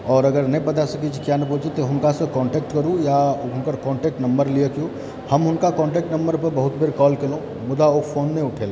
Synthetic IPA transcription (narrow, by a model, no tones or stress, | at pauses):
ɔːɾəɡəɾnəjbət̪asəkit͡ʃʰi̥kjanəput͡ʃʰit̪ɔɦʊnkasə̃kɔ̃ɳʈek̚ʈkəɾũjaɦʊnkəɾkɔ̃ɳʈek̚ʈnəmbəɾliekju | həmɦʊnkakɔ̃ɳʈek̚ʈnəmbəɾpəɾbəɦut̪bʱeɾkɔlkelũ | mʊd̪aokpʰonːeuʈʰel